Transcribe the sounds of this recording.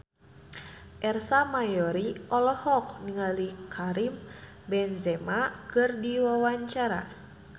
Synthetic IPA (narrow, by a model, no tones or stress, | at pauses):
ʔɛrsamajɔɾiʔɔlɔhɔk̚niŋalikʰaɾim | bɛnzɛmakɨrdiwawaɲt͡ʃaɾa̰